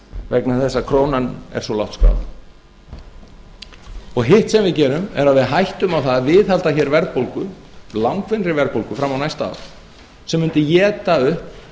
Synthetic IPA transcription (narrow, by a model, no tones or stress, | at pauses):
vɛknaθɛsːakʰɾoːwnanɛ̰ɾ̥svɔlawht̪skɾa̰ð | ɔɣɦɪht̪sɛmvɪðcɛːɾʏmɛ̰ɾaðvɪðɦajht̪ʏmawθaðvɪðhalt̪açɛɾvɛɾðpowlkʏ | lawŋkvɪnɾɪvɛɾðpowlkʏfɾamːawnajst̪aa̰w | sɛmːʏnt̪ɪjɛːt̪aʏhp